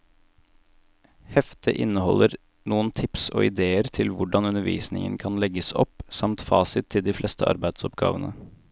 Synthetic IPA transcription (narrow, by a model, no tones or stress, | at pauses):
hɛft̪ʰəʔɪnəhɔlːʔəɾ | nuːənt̪ʰɪpso̰ːɪd̪eːəɾt̪ʰɪlʋʊɖɑnʉnəɾʋḭːsnɪ̰ŋə̰nkʰɑnlɛɡəsɔpsɑmt̪fɑːsɪt̪ʰːɪld̪iːflɛst̪ʰəʔɑ̰ɾbæɪd̪sɔpɡɑ̰ːʋənə